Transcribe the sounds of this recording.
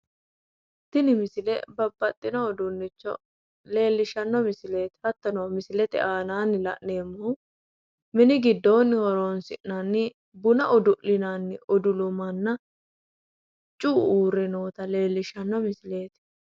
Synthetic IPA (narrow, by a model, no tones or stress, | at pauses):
t̪ːɪnɪmɪsɪlɛ̰bɐbːɐt̪ʼːɪnɔːd̪ʊnːɪt͡ʃːɔ̰ | le̞ːlːɪʃɐnːɔmɪsɪle̞ːt̪ɪ̥hɐt̪ːɐnɐwmɪsɪlɛt̪ɪ̰ʔaːnaːnːɪlɐ̰ʔne̞ːmːɔw | mɛnɪɡɪd̪ːo̞ːnːɪhɔɾoːnsɪʔnɐnːɪ | bʊnɐʔɔd̪ʊʔɪnanːɪɔd̪ʊlʊmɐnːɐ | t͡ʃʼuːuːɾɛno̞ːt̪ɐle̞ːlːɪʃɐnːɔmɪsɪle̞ːt̪ɪ̥